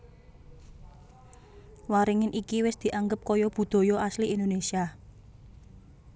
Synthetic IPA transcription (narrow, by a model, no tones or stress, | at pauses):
waɾiŋɪnʔikiwɪsd̪̥i̤ʔaŋɡəp̚kɔjɔb̥ṳd̪̥o̤jɔasliend̪onesia